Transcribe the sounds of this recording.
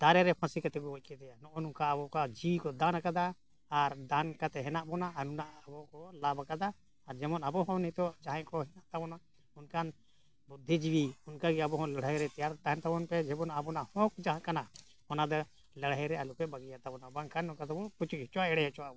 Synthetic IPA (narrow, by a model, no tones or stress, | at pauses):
d̪̥aɾɛɾɛpʰãsikat̪ɛkɔɔc̚ˀkʰɛd̪ɛjanɔʔɔnunkaːbɔkad͡ʒiwkɔd̪anakad̪aː | ɾd̪ankat̪ɛɦɛnaʔbɔnaanunaʔbɔkɔlabakad̪aː | ɾd͡ʒɛmɔnabɔɦɔ̃nit̪ɔd͡ʒaɦɛ̃kɔɦɛnaʔt̪abɔna | unkan | bud̪ʱːid͡ʒiwiunkaɡiabɔɦɔ̃ləɽjɾɛt̪ɛjaɾt̪aɦɛnt̪abɔnpɛd͡ʒɛbɔnaːbɔnahɔ̃k̚d͡ʒãɦãkana | hɔnad̪ɔ | ləɽɛɾɛalukɛbaɡijat̪abɔnabaŋkanɔkad̪ɔbɔput͡ʃuc̚ˀhɛt͡ʃɔwaɛɽɛɛt͡ʃɔwabɔ